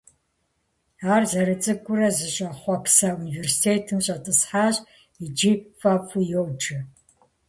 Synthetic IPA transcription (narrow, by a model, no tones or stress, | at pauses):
aːrzɐɾɨt͡sʼɨɡʷʼʊɾɐzɨɕʼɐχʷɔpsɐuniversi̥tʰeːtʰɨmɕʼɐtʼɨsħaːɕʼ | id͡ʒifʼafʼujowd͡ʒɨ